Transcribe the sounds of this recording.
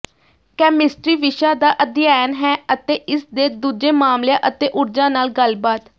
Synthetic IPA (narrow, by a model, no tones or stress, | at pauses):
kɛːmɪsʈɾiːʋɪʃaːd̪aːʔəd̪jaːnɦɛːət̪eːʔɪsd̪eːd̪uːd͡ʒeːmaːmljãːʔət̪eːʔʊɾd͡ʒãːnaːlɡəlbaːt̪